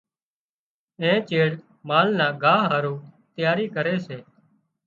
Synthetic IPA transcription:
ẽːt͡ʃeːɽ | maːlnãːɡʱaːɦɦaːɾũːt̪jaːɾiːkəɾeːseː

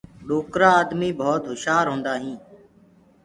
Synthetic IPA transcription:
ɗoːkɾaːaːd̪miːbʱoːt̪ɦʊʃaːɾɦõːnd̪aːɦĩː

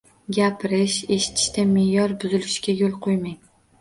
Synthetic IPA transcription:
ɡʲapʰɪɾɪʃe̞ʃɪ̥t̪ʰɪ̥ʃt̪amejɒɾbʊzɪlɪʃkʲajolˠqʰojmaŋ

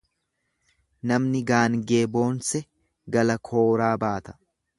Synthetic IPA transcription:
nɐmnɪɡaːnɡe̞ːbo̞ːnsɛ | ɡɐlɐkʰo̞ːɾaːbaːt̪ɐ̥

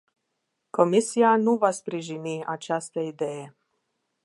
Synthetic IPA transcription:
komisijanuʋaspɾiʒiniʔat͡ʃast̪ɛid̪ɛjɛ

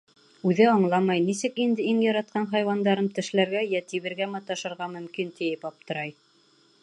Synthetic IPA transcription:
ʉðɘɑɴlˠɑmɑjnis̬ɘkind̪ɘiŋjɑɾɑt̪̚qɑnɦɑjwɑnd̪ɑɾɤmt̪ɘ̆ʃlæɾɡæjæt̪iβɘ̆ɾɡæmɑt̪ːɑʃɤ̆ɾʁɑmɵ̆mkint̪ɘ̆jɘpɑp̚t̪ɤ̆ɾɑj

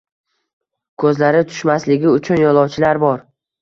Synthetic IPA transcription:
kʰɵzlaɾɪt̪ʰʊ̥ʃmaslɪɡʲɪʊt͡ʃʰʊnjɒlˠɒwt͡ʃʰɪlaɾbɒɾ

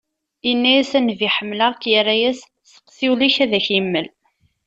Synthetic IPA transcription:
inːæjæsænviħəmːləʁkjərːæjæs | θə̥qːθiwliçæðæçimːəl

